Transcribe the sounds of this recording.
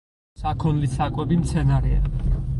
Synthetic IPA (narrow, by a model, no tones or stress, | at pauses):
sakʰɔnlisakʼwɛbimt̪sʰɛnaɾɛa̰